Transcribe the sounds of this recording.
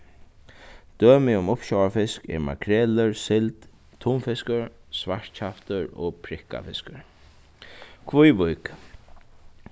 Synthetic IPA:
d̪̥øːmɪʊmʊpɕawafɪskɛ̰ɹma̰kʰɾɛːləɹsɪlt̪ | t̪ʰːuːmfɪskəɹsʋaɹ̥t̪t͡ɕʰaft̪əɾɔ̰pʰɾɪhka̰fɪskəɹ | kʰʋʊjʋʊjk

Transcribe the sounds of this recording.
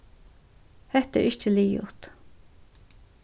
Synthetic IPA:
hɛht̪ə̰ɾʔɪçt͡ʃəliːʊ̰t̪

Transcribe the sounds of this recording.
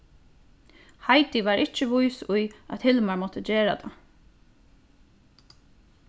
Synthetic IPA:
haɪt̪iʋaɾʔɪt͡ʃəʋʊjsʊja̰t̪hɪlmaɹmɔt̪əd͡ʑeːɾa̰t̪ʰa̰

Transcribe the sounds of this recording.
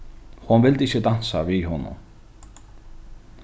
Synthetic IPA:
hɔnvɪld̪ɪcːɪd̪ansaviɦɔnʊ̰m

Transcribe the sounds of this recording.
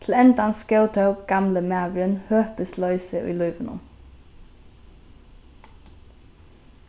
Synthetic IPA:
t̪ʰl̩ɛnd̪ɑnskœʊt̪ʰœʊpɡ̥ɑmləmæːʋɾənhøːpəslœʏsəʔy̰ːlʉʏʋənʊ̰m

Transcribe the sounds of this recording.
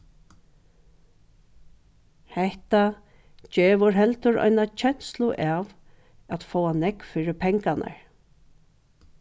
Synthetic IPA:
hɛht̪a | d͡ʒeːʋʊɹɦɛlt̪ʊɹɔ̰jnat͡ʃʰɛn̥slʊʔaːʋ | at̪foːwanɛkfiːɹɪpʰɛŋkanʔa̰ɹ

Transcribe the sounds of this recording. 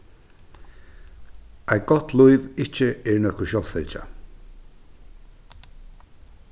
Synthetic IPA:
ajɡɔt̪lʊɪvɪt͡ʃəɛɹnɔhkʊʃɔlfɛlʲt͡ʃa̰

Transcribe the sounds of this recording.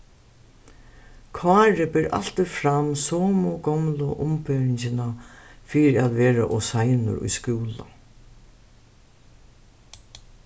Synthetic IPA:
kʰvaːɾɪbɪɾʔa̰l̥t̪ɪfɾamsɔːmʊɡɔmlʊʔʊmpeːɾɪɲsɪnafiːɾɪat̪ʋeːɾa̰ʔɔsajnʊ̰ɾʊ̰jskuːla̰

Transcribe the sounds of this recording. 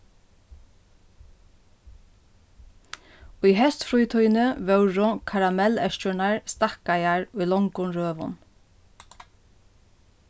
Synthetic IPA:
ʊjɦɛst̪fɾujt̪ʰujnəvœwɹʊkʰaɾamɛlɛʃt͡ʃʊnaɹst̪akajaɹʊjlɔŋkʊnɾøːʋʊ̰n

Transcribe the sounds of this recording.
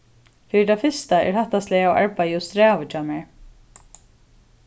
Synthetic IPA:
fɪːɪt̪ʰafɪst̪aɛ̰ɹhaht̪ast̪lɛaawa̰ɹpajʊst̪ɾɛːvɪt͡ʃamɛɹ

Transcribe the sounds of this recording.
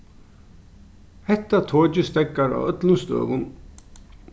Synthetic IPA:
hɛht̪ːat̪ʰoːt͡ɕɪst̪ɛkːaɾa̰œt̪lʊst̪ø̰ːʋʊn

